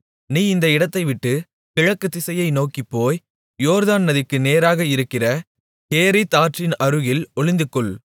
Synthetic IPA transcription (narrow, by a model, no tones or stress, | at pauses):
niːɪnd̪ɐɪɽɐt̪ːɐɪʋɪʈːɯ | pɪɻɐkːɯt̪ːɪsɐjɐɪnoːkipːoːj | joːɾðaːnnɐðɪkːɯneːɾaːɣɐɪɾɯkːɪrɐ | keːɾit̪aːʈrɪnɐɾɯɣɪlɔɭɪnd̪ɯkːɯɭ